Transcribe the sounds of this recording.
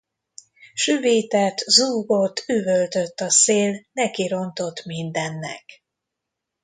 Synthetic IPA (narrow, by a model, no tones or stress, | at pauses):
ʃyveːt̪ɛt̪zuːɡo̞t̪ːyvølt̪øt̪ːɒseːlnɛkiɾo̞nt̪o̞t̪mind̪ɛnːɛ̰k